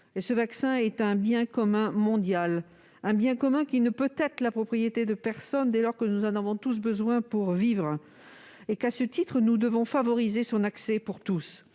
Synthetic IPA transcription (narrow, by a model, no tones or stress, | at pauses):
esəvaksɛ̃ɛt̪ɛ̃bjɛ̃kɔmɛ̃mɔ̃d̪jal | ɛ̃bjɛ̃kɔmɛ̃kʲinəpøt̪ɛt̪χəlapχɔpχijet̪ed̪əpɛʁsɔnd̪elɔʁkənuzɑ̃navɔ̃t̪us̬bəzwɛ̃puʁvivʁ | ekasət̪it̪χənud̪əvɔ̃favɔʁizesɔ̃naksɛpuʁt̪us